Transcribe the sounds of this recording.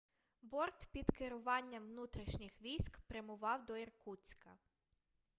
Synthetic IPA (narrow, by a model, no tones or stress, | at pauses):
bɔrt̪pʲid̪kɪɾʊʋɑnʲːɐʋnut̪ɾʲiʃnʲɪxʋʲijsʲkpɾemʊʋɑwd̪ɔirkut͡sʲkɐ